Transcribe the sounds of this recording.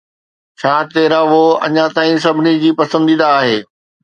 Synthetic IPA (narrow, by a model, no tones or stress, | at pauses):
t͡ɕʰãːt̪eːɾaʋoɐ̰ɲat̪aːĩs̬ɐbʱɪnid͡ʑiːpɐsə̃nd̪iːd̪aːɦeː